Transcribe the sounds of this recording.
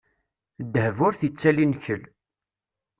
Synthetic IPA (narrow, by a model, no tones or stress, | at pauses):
d̪ːəhvʊɾθit͡sːælinçəl